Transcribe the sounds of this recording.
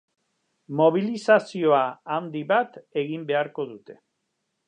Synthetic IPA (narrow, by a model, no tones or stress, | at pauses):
mo̞β̞ilisasio̞aand̪iβat̪e̞ɣimbe̞aɾko̞ðut̪e̞̥